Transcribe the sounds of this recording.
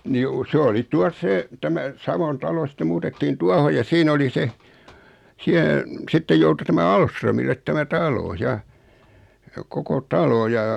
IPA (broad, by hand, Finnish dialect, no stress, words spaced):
ni ju s oli tuɑs se tæmæ sɑʋon tɑlo sĭtːe muːtetːiːn tuɑho jɑ siːn oli se siæ sitːej joutu tæmæ ɑlsrømilːet tæmæ tɑlo jɑ koko tɑlo jɑ